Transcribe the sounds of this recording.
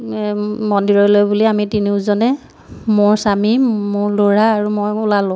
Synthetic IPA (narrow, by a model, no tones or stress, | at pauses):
mɔndiɹɔɹlojbuliamitiniʊzɔnɛ | mʊɹsamimʊɹloɹaːɹumojʊlalʊ̃